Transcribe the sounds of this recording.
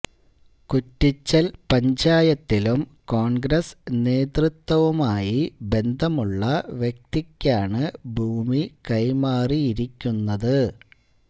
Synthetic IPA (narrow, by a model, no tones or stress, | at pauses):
kutːit͡ɕːɐlpɐɲd͡ʑaːjɐt̪ːilumko̞ːɳɡɾɐsne̞ːt̪rɨt̪wɐʋumaːjibe̞nd̪ʱɐmuɭːɐʋjek̚t̪ikʲːaːɳɨbʱuːmikɐjmaːriiɾikʲːunːɐðɨ